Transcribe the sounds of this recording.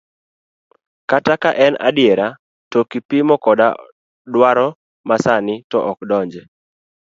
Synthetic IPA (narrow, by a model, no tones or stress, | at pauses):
katakaʔɛna̰dɪjeɾa | tokipimɔkɔda | dwaɾɔ | masanɪtɔʔɔkdɔɲd͡ʒɛ